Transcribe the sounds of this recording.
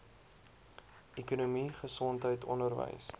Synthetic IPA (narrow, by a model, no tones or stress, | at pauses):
ɛkunumiχəsɔntɦəjtʰɔ̰ndərvə̰js